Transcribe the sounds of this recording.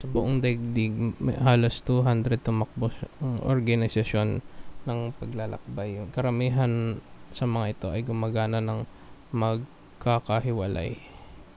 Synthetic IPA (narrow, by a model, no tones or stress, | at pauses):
sɐbʊʔoŋd̪ɛɡ̚d̪iɡm̰ɦaːlost̪uɦand̪ɾɛd̪̚t̪ʊmɐk̚bosɐŋʔo̰ɾɡɐnɪsɐʃo̞nːɐŋpɐɡlalɐ̰k̚bajkɐɾɐmiːɦɐnsɐmɐŋaʔɪt̪o̞ʔɐjɡʊmaɡaːnɐnɐŋ | mɐɡ̚ | kakɐɦɪwɐlʔa̰j